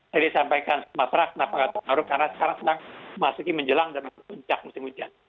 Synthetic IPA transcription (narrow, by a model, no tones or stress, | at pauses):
t̪adisampaikansmapɾak̚napakat̪əmaɾukarnasə̥kaɾaŋsədaŋmasukiməɲd͡ʒəlaŋdanapuɲt͡ʃak̚musɪmut͡ʃan